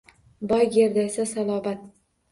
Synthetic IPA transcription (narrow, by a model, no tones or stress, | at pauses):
bɒjɡʲeɾd̪aesasalˠɒːbat̪̚